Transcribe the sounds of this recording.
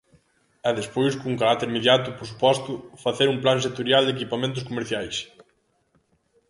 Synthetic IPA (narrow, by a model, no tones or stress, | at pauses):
ɛðespojskouŋkaɾakt̪eɾimeðjat̪ʊpoɾs̬u̥pɔst̪ʊfaθeɾuŋplaŋs̬et̪oɾjald̪ekipamẽnt̪̬ʊskomeɾθjajs